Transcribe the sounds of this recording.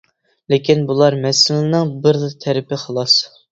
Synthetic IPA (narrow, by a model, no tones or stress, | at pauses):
lekʲinbulˠɑɾmɛsɪlɪnɨŋbɪɾlɨt̪ʰɛɾɪpɪχəlˠɑs